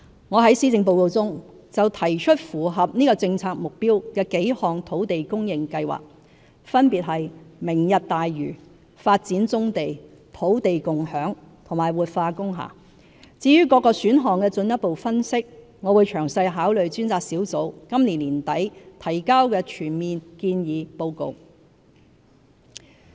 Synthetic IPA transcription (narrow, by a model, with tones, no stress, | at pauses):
ŋɔː˨˧ɦɐ˨˥jsiː˥t͡sɪ˧ŋp̬o˧wko˧wt͡sʊ˥ŋ | t͡sɐ˨wt̪ʰɐ˨˩jt͡ʃʰɵ˥t̚fuː˨˩ɦɐ˨p̚niː˥kɔː˧t͡sɪ˧ŋt͡sʰaː˧k̚mʊ˨k̚piː˥wkɛː˧ke˨˥jhɔː˨˩ŋt̪ʰo˨˥wt̪e˨jkʊ˥ŋjɪ˨ŋkɐ˧jwa̰ː˨˩k̚ | fɐ˥npiː˨t̚ɦɐ˨jmɪ˨˩ŋjɐ˨t̚t̪aː˨jɥyː˨˩ | faː˧t̚t͡siː˨˥nt͡sʊ˥ŋt̪e˨j | t̪ʰo˨˥wt̪e˨jkʊ˨ŋhœː˨˥ŋ | t̪ʰŋmaː˨˩jwuː˨t̚faː˧kʊ˥ŋɦa̰ː˨˩ | t͡siː˨˥ɥyː˥kɔː˧kːɔː˧syː˨˥nɦɔː˨˩ŋkɛː˧t͡sɵ˧njɐ˥t̚po˨wfɐ˥nsɪ˥k̚ | ŋɔ˨˧wuː˨˧jt͡ʃʰœː˨˩ŋsɐ˧jɦaː˨˥wlɵ˨ɥt͡syː˥nt͡saː˧k̚siː˨˥wt͡so˨˥wkɐ˥mli˨˩nliː˨˩nt̪ɐ˨˥jt̪ʰɐ˨˩jkaː˥wkɛː˧t͡ʃʰyː˨˩nmiː˨nkiː˧njiː˨˧po˧wko̰˨˧w